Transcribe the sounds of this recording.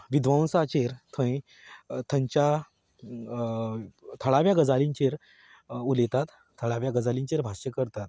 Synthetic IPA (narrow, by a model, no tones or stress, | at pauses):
ʋid̪ʋãw̃sat͡ɕeɾt̪ʰə̃ĩ | t̪ʰəɲt͡ɕa | t̪ʰəɭaʋjaɡəd͡zaliɲt͡ɕeɾ | ulet̪at̪ | t̪ʰːəɭaʋjaɡəd͡zalĩɲt͡ɕeɾbʱaɕjəkəɾt̪at̪̚